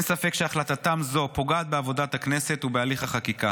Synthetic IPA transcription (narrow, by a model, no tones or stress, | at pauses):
nsafe̞kʃeaχlat̪at̪amzo̞po̞ɡaːt̪̚beavo̞dat̪akne̞se̞t̪ubealiχaχakika